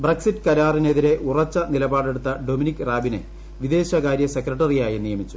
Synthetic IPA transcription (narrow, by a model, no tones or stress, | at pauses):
breksitːɨkɐɾaːrine̞ðiɾe̞ʔurɐt͡ɕːɐnilɐbaːɽe̞ɽut̪ːɐɖominikːɨraːbinḛ | ʋid̪e̞ːɕɐɣaːɾjɐsekrɐʈːɐrijaːjinijɐmit͡ɕːu